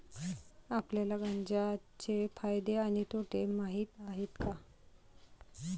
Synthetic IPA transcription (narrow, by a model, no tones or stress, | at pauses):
apljalaɡaɲd͡ʑat͡ɕefajd̪eaɽ̃it̪oʈʰemaɦiːt̪aɦet̪ka